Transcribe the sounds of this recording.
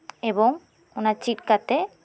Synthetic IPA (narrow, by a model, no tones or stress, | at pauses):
eboŋ | unaɾt͡ɕiʈ̚kat̪e